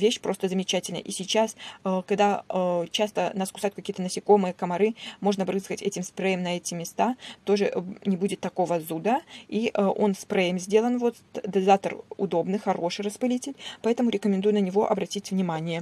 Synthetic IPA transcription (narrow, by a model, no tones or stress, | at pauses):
vʲeɕpɾo̞st̪əzəmʲɪt͡ɕætʲɪlʲnə̰ʔisʲɪt͡ɕasəkɐɡd̪at͡ɕast̪ənaskʊsajʊt̪kɐkʲijət̪ənəsʲɪko̞mɨjəkəmɐɾɨmo̞ʐnəbɾɨskətʲɛtʲɪmspɾɛjəmnɐɛtʲɪmʲɪst̪at̪o̞ʐɨnʲɪbudʲɪt̪ːɐko̞vəzud̪əiʔəʔo̞nspɾɛjəmzʲdʲe̞lˠənvo̞t̪ | d̪ɐzat̪ərʊ̰d̪o̞bnɨxɐɾo̞ʂɨjrəspɨlʲitʲɪlʲpɐɛt̪əmʊɾʲɪkəmʲɪnd̪ujʊnənʲɪvo̞ʔɐbɾɐtʲitʲvnʲɪmanʲɪjə